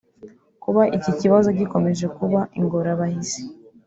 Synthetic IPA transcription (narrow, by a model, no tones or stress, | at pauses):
kuβaʔiciciβazo̞ɟiko̞me̞ʒe̞kuβaʔiŋɡo̞ɾaβahize̥